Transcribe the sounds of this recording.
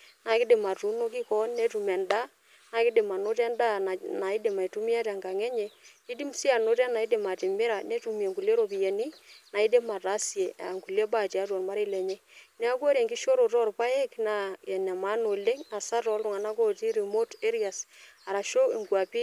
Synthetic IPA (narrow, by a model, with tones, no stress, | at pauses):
na˨kɪ˦dɪ˨ma˨tu˨˦no˦kɪ˦kɔ˦nːe˦tu˨mɛ˨nda˦ | na˨kɪ˦dɪ˨ma˨no˦tɛ˦nda˦n˨na˨ɪ˦de˨ma˨i˨tu˦mi˦a˦ta˨ŋɡa˨ŋɛ˦ɲɛ˨ | i˦di˦msi˦a˨no˦ta˦na˨i˦dɪ˨ma˨tɪ˨mɪ˦ɾa˨ne˦tu˨m˨e˨ŋku˨le˦ɾo˨pi˨jɛ˨ni˦na˨i˦de˦ma˨ta˦sje˨a̰˨ŋku˨le˦ba˦˨ti˨a˨˦twɔ˨nma˦ɾe˦lɛ˨ɲɛ˦nɛ˦a˦kwo˦ɾe˨ŋkɪ˦ʃo˦ɾo˨tɔ˦rpa˦e˦kna˨ɛ˨nɛ˨ma˦no˨le˦ŋa˨sa˦tɔ˨˦ltu˨ŋa˨na˦ko˦ti˦ɾi˨mo˦te˦ɾi˦a˨sa˨ɾa˨ʃo˦i˨ŋkwa˨pi˦